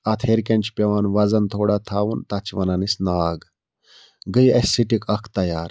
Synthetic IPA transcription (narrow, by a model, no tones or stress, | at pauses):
ɐt̪ʰeːɾkʲɐnʲt͡ʃʰpʲɐʋaːnʋɐzɐnt̪ʰoːɽat̪ʰaːʋunt̪ɐt͡ʃʰiʋɐnɐnisnaːɡ | ɡəjɐsːiʈikɐkʰt̪ɐjaːɾ